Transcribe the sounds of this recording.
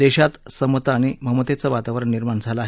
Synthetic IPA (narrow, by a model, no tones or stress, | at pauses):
d̪eɕat̪səmət̪aːɽ̃im̤əmət̪et͡səʋat̪aʋəɾəɳniɾmaɳd͡zʱaləːɦ